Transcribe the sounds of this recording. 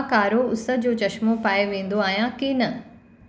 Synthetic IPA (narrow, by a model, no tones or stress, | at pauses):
kaːɾoʊsə̆d͡ʑoːt͡ɕɐʃmopaːeʋẽːn̆d̪oaːɦijãkinɐ